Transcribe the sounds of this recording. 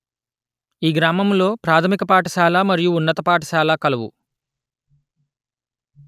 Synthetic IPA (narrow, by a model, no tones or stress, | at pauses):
iːɡɾaːmɐmlo̞ːpɾaːt̪ʰɐmikɐpaːʈɐʃaːlaːmɐɾijuːnːɐt̪ɐpaːʈɐʃaːlaːkɐlɐʋṵ